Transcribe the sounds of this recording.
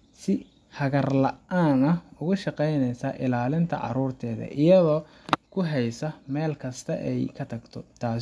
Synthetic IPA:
sɪ | hɐɣɐrlɐʔaːnɐʊɣʊʃɑqɛjnɛjsɐʔɪlaːlɪnt̪ʰɐ̰ʕɑ̰ɾuːrt̪ʰɛːðɐ̰ʔɪjɐðɔː | kʰʊɦɛjsɐmɛːlkʰɐst̪ʰɐ̰ʔɛjkʰɐt̪ʰɐɡt̪ʰɔt̪ʰaːs

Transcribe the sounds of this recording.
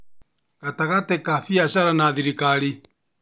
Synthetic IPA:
ɣataɣatɛkafiaʃaɾanaðiɾikaɾi

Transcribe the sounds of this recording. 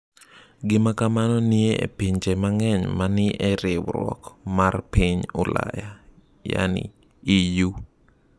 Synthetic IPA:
ɡɪmakamanɔnieḛpiɲt͡ʃemaŋɛɲmanɪʔɛɾɪwɾwɔ̰kmarpiɲʊla̰ja | ja̰nɪ̰ | iju

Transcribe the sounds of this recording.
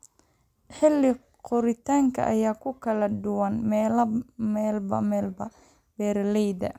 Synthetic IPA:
ħɪlːɪ | qʊɾɪt̪ʰaːŋkʰɐ̰ʔɐ̰jaːkʰʊkʰɐlɐɖʊwɐnmɛlɐmɛːlbɐ̰mɛːlbɐ | bɛːɾlɛjdɐ̰

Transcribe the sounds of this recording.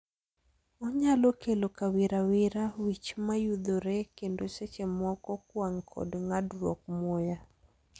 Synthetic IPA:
ɔɲalokelokawɪɾawɪɾawit͡ʃmajud̪oɾɛkendoset͡ʃemɔkɔkwaŋkʰɔ̰dŋadɾwɔ̰k̚mɔja

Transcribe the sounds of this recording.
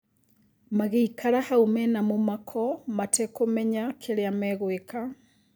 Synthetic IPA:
maɣeikaɾahaumɛnamomakʰɔmatɛkomɛɲakʰeɾeamɛɣweka

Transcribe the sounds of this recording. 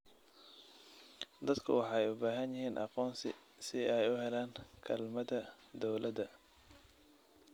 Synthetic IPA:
d̪ɐd̪kʰʊ̰wɑħɑjʊbaːɦɐnjɪɦiːnʔɑ̰qɔːnsɪ̰ | sɪɛjʊɦɛlaːŋkʰɐlmɐðɐ | d̪ɔwlʔɐd̪ɐ

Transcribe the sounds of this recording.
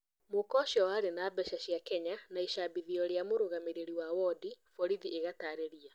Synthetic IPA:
mokɔʃjɔwaːɾenaːbɛʃaɕjakɛɲanaiʃabiðiɔɾeamoɾoɣameɾeɾiwawɔdifɔɾiðieɣataːɾeɾia

